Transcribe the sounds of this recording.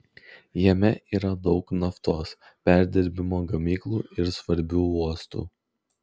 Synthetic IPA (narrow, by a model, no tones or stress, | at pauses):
jɛmʲɛʔiːɾɐd̪ɒʊknɐft̪oːs | pʲæˑɾʲd̪ʲɪɾʲbʲɪmoːɡɐmʲiːklˠuːɪɾsʋɐɾʲbʲuːuɔst̪ṵː